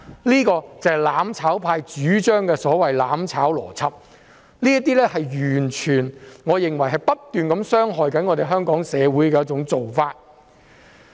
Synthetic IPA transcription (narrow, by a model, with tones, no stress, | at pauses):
liː˥kɔː˧t͡sɐ˨hjlaː˨˥mt͡sʰaː˨˥wpʰaː˧jt͡ʃyː˨˥t͡ʃœː˥ŋkɛː˧sɔː˨˥wɐ˨jlaː˨˥mt͡sʰaː˨˥wlɔ̰ː˨˩t͡sʰɐ˥p̚ | liː˥ɐ˥t̪iː˥lɛː˥hɐ˨jɥyː˨˩nt͡ʃʰyː˨˩nŋɔː˨˧jɪ˨˩ŋwɐ˨˩jɦɐ˨˩jpɐ˥tt̪yː˨nkɐ˨˧˥msœː˥ŋɦɔː˨jkɐ˨˥nŋɔː˨˧t̪e˨jɦœː˥ŋkɔː˨˥ŋsɛː˨˧wuː˨˥jkɛː˧jɐ˥t͡sʊ˨˧˥ŋt͡so˨wfaː˧t̚